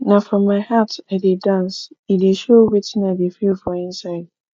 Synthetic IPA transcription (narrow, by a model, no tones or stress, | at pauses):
nafɹɔ̃mːaɪhataɪdedãnsideʃowitɪ̃nadefilfɹɔ̃ɪ̃nsaɪd̚